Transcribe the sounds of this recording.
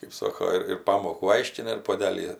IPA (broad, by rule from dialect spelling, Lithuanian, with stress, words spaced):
kɜp ˈsoːkoː ɪr ɪr ˈpɑːmoːkuː ˈɐɪʃʲkʲɪnɐ ɪr puɔˈdʲæːlʲiː